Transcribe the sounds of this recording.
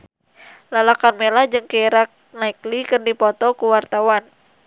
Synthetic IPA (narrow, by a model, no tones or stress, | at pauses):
lalakanmelahd͡ʒɨŋkeɾak̚naiklikɨrdipɔt̪ɔkuwart̪awan